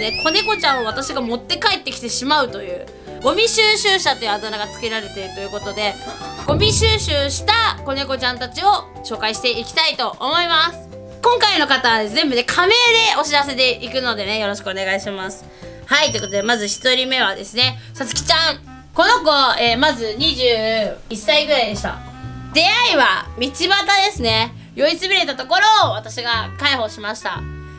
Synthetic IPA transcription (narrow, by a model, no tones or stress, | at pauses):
nekʰo̞ne̞ɡo̞t͡ɕãɰ̃o̞β̞at̪aɕiɡamo̞t̪ːe̞kaet̪ːe̞kʲi̥t̪eɕimaɯ̟t̪o̞jɯ̟̰ː | ɡo̞mʲiɕɨːɕɨːɕat̪o̞jɯ̟at̪onaɡat͡sɨ̥kʲeɾaɾe̞t̪e̞ɾɯ̟t̪o̞jɯ̟ko̞t̪o̞d̪e̞ɡ̥o̞mʲiɕɨːɕɨːɕi̥t̪ako̞ne̞ɡo̞t͡ɕãnt̪at͡ɕio̞ | ɕo̞ːkaiɕi̥t̪e̞ikʲi̥t̪ait̪o̞ʔomo̞imasɨ̥ | kõ̞ŋkaino̞kat̪aβad̪ezẽ̞mbɯ̟ne̞kʰame̞ːd̪e̞o̞ɕiɾas̬e̞t̪̬e̞ʔikɯ̟no̞d̪e̞ne̞jo̞ɾo̞ɕi̥kɯo̞ne̞ɡaiɕimasɨ̥ | hait̪o̞i̟kot̪o̞d̪e̞mazɨɕi̥t̪o̞ɾʲime̞βad̪e̞sɨne̞sat͡sɨ̥kʲi̥t͡ɕãŋ | ko̞no̞ɡo̞eːmazɨɲ̟iʑɨːisːaiɡɯ̟ɾaid̪e̞ɕi̥t̪a̰ | d̪e̞aiβamʲit͡ɕibat̪ad̪e̞sɨne̞ | jo̞it͡sɨbʲiɾe̞t̪at̪o̞ko̞ɾo̞ːβat̪aɕiɡakaiho̞ːɕimaɕi̥t̪a̰